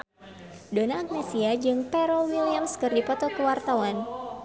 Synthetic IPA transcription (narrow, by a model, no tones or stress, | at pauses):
donaːk̚nɛsiad͡ʒɨŋpɛɾɔwiliamskɨrdipɔt̪ɔkəwart̪awan